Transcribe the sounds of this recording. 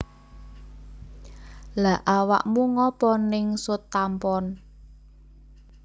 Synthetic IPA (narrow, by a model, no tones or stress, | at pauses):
la̤ʔawa̰ʔmuŋɔpɔnɪŋsʊt̪ːampɔn